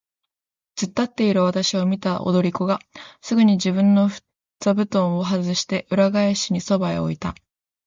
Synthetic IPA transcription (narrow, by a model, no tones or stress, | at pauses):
t͡sɨt̪ːat̪ːe̞iɾɯ̟β̞at̪aɕio̞mʲit̪aʔo̰d̪o̞ɾʲiko̞ɡasɨɡɯ̟ɲ̟id͡ʑibɯ̟̃nːo̞ɸɯ̥ | t͡sabɯ̟t̪õ̞ɰ̃o̞ɦazɨɕi̥t̪e̞ʔɯ̟ɾaɡaeɕiɲ̟iso̞baḛo̰it̪a